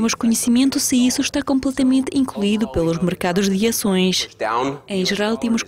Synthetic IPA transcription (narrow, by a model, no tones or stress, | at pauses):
emʊʃkuɲɨsimẽnt̪usɨisuʃt̪akõmplˠɛt̪ɐmẽnt̪ĩŋklˠuiðupelˠuʒmɨɾkaðuʒðɨɐsõj̃ʃt̪aẽj̃ʒɨɾalˠt̪emʊʃ